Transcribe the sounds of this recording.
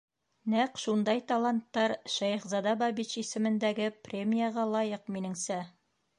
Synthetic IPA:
næqʃund̪ɑjt̪ɐlˠant̪ːɑɾʃæjχzɑd̪ɑbɑbit͡ɕisɘ̆mɘ̆nd̪æɡɘprʲemʲijaʁɑlˠɑjɤqminɘ̆ŋsæ

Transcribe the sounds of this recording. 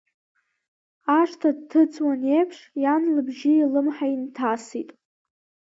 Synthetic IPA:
aʂtʰadtʰɨt͡sʰʼwanejpʰʂjanlɨbʒɪilɨmħaintʰasitʼ

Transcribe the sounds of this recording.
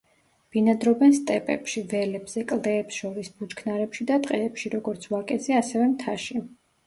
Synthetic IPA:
b̥inad̪ɾɔbɛnst̪ʼɛpʼɛ̰pʃivɛlɛbz̥ɛkʼlˠd̪ɛːpsʃɔɾisbut͡ʃkʰnaɾɛpʃid̪at̪ʼqʼɛːpʃiɾɔɡɔɾt̪sʰvakʼɛt̪sʰɛasɛvɛmt̪ʰaʃi

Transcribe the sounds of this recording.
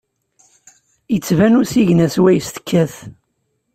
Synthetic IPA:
jət͡sːvænusiʝnæswæjst̪ə̥kʰːæθ

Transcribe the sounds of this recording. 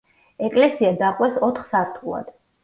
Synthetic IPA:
ɛkʼlɛsiad̪aχʼwɛsɔt̪ʰχsaɾt̪ʰulˠa̰d̪̥

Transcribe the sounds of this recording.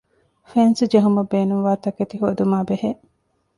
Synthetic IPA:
fensud͡ʒeɦumɐbeːnuŋʋaːt̪ɐket̪iɦod̪umaːbeheʔ

